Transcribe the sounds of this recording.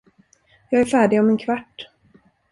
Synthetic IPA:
jɑːɡæɾfæːɖɪɡɔmɛnkʰvaʈː

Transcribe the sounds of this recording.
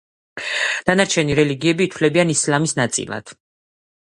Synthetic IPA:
d̪̥anaɾt͡ʃʰɛniɾɛliɡiɛbiːt̪ʰwlɛbianislamisnat̪sʼḭlˠa̰d̪̥

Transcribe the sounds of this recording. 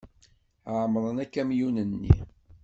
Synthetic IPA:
ʕmɾˤənækːæmjunənːḭ

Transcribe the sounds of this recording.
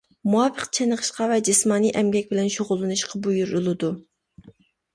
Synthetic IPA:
muɑːpʰəqt͡ʃʰɛnəʁə̥ʃqɑvɛd͡ʒɪsmɑːniʔɛmɡʲɛk̚ʲbɪlɛnʃoʁʊlˠːɨnɨʃqʰɑbujuɾɨlˠɨd̪u

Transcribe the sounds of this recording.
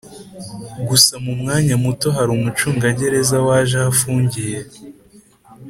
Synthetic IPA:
ɡusamumŋaːɲamuto̞ɦaɾuːmut͡ʃuːŋɡaɟe̞ɾe̞zawaːʒahafuːɲɟije̞

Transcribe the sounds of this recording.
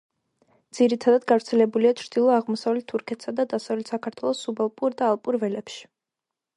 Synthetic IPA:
d̪z̥iɾit̪ʰad̪ad̪ɡavɾt̪sʰɛlɛbuliat͡ʃʰɾd̪̥ilˠɔaʁmɔsavlɛt̪ʰːuɾkʰɛt̪ʰsad̪ad̪asavlɛt̪ʰsakʰaɾt̪ʰwɛlˠɔsːubalˠpʼuɾd̪aːlˠpʼuɾvɛlɛpʃi̥

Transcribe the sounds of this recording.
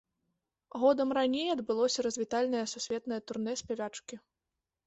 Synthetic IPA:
ɣɔd̪ɐmranʲejɐd̪bɨlˠɔsʲɐɾɐzʲvʲit̪alʲnɐjɐsusʲvʲɛt̪nɐjɐt̪urnɛsʲpʲavʲat͡ʂkʲi

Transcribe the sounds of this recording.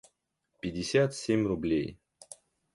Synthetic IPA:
pʲɪdʲɪsʲat̪sʲemʲrʊblʲej

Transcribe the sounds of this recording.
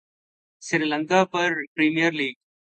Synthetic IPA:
sɪɾilɐŋɡaːpɐɾpɾimijɐɾliːɡ̚

